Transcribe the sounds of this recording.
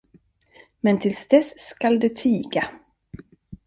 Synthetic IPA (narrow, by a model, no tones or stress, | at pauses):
mɛnt̪ʰɪlsd̪ɛskald̪ɵt̪ʰyːɡa